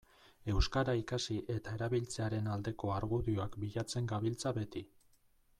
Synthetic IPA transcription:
e̞wskaɾaikasiʔe̞t̪ae̞ɾaβilt͡se̞aɾe̞nald̪e̞ko̞aɾɣuðioakbiʎat͡se̞ŋɡaβilt͡saβe̞t̪i

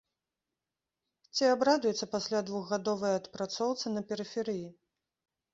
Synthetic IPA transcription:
t͡sʲiabɾad̪ujɛt̪sːɐpasʲlʲad̪vuɣːad̪ɔvɐjɐt̪pɾat̪sɔwt̪sɨnɐpʲɛɾɨfʲɛɾɨji

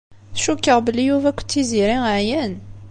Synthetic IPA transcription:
θʃukːəʁbəlːijuvækʷːt͡s̪ːiziɾiʕjæn

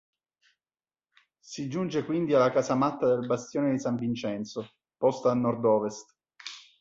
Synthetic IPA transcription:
sid͡ʒund͡ʒekwind̪ialːakaːsamat̪ːad̪elbast̪joːned̪isaɱvint͡ʃɛnt̪so | pɔst̪aːlnːɔrd̪ɔːvest̪

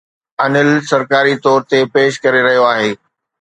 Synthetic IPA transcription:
ɐnɪlsɐɾkaːɾit̪ɔːɾt̪epeːʃkɐɾeɾɐɦijoaːɦeː

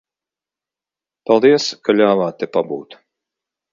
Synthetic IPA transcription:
palˠd̪iɛskalʲaːvaːt̪ːɛpabuːt̪

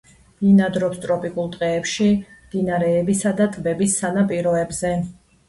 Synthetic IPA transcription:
dinad̪ɾɔpst̪ʼɾɔpʼikʼulˠt̪ʼqʼɛːpʃimd̪̥inaɾɛːbisad̪at̪ʼbɛbisːanapʼiɾɔɛbzɛ

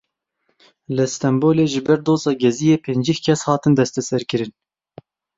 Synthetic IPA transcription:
lɨst̪ɛmboːleːʒɨbɛɾd̪oːzɑːɡɛzijeːpʰeːnd͡ʒihkʲʰɛshɑːt̪ɨnd̪ɛst̪ɛsɛɾkɨɾɨn

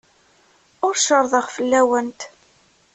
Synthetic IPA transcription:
ʊɾʃəɾˤðˤəʁfəlːæwənt̪

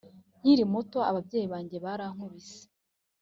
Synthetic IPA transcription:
jiɾimutoa̰βabɟe̞ːjiβaːɲɟe̞βaɾaŋ̥uβise̥

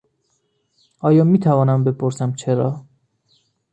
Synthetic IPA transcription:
ɒːjɒːmiːt̪ʰævɒːnæmbepʰoɾsæmt͡ʃʰeɾɒː

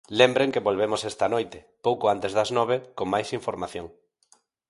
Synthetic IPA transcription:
lembɾeŋkeβolβemosɛst̪ɐnojt̪ɪ̥ | powkoant̪ezðɐznɔβ̞ekoŋmajsiɱfoɾmaθjoŋ

